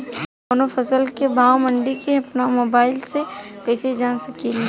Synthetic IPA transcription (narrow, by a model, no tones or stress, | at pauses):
oːnofʰɐsəlkebʱaːwmɐ̃ɳɖikeɐpnamoːbaːɪlsekɛːsed͡ʒaːnsɐkili